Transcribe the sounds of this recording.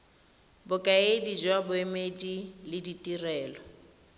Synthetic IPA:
bʊkʼaedid͡ʒwabʊemedilɪditʼirɛːlɔ

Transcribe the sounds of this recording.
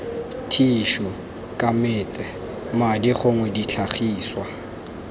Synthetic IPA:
tʰiʃɔ | kʼamɪːtʼɛ | madiχʊŋwɛdit͡ɬʰaχiːswa

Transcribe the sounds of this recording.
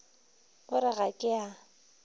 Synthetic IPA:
ɣʊɾɪɣakʼɪa

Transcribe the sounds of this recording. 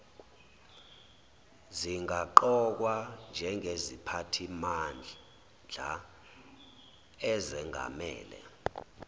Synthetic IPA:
ziŋaǃɔk̬wand͡ʒʱɛŋezipʰatʰiman | d͡ɮʱa | ɛzɛŋʱa̰mɛ̰ːlɛ̰

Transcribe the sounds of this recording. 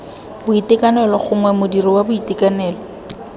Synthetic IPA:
bʊitɪkanɛlɔχʊŋwɛmʊdirɪwabʊitɪkanɛːlɔ

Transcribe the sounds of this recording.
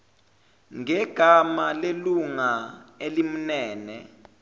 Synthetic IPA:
ŋɛɡ̥ʱamaleluŋaelim̩nɛːnɛ

